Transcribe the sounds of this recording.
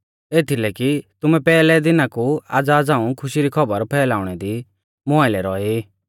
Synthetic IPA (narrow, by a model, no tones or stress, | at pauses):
eːt̪ʰilɛkit̪ʊmɛpɛːlɛd̪ɪnakua̰ːd͡zaːd͡zãːũkʰʊʃiɾikʰɐbəɾpʰɛːlaːʊɽ̃ɛd̪i | mɔaɪlɛɾɔe